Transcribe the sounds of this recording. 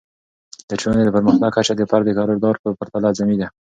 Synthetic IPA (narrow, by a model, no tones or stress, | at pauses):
d̪ət͡ʃoned̪apəɾməxt̪aɡ̚kat͡ʃad̪əpaɾd̪əkɑɾoɾd̪ɑɾpəpəɾt̪alazamid̪a